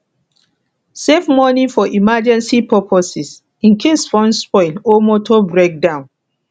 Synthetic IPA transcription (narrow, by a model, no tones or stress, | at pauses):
sefmɔnifɔʔimad͡ʒɛ̃nsipɔpʰɔsis | ĩnkʰesfɔ̃nspɔɪlomɔtʰɔbɹek̚dãʊ̃n